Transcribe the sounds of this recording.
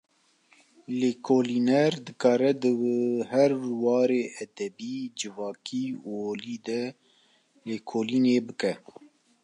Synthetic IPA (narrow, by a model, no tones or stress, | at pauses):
leːkʰoːlinɛɾd̪ɨkɑːɾɛd̪ɨɦɛɾwɑːɾeːʔɛd̪ɛbiːd͡ʒɨvɑːkʰiːuoːliːd̪ɛ | leːkʰoːliːneːbɨkɛ